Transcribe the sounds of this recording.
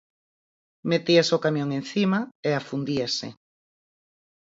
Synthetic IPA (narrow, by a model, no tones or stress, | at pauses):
met̪iasokamjõŋẽn̟θimaeafund̪iesɪ̰